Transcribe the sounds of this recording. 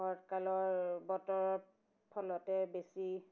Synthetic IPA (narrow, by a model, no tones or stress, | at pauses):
ɔɹtkalɔɹbɔtɔɹɔ | pʰːɔlɔtɛbesi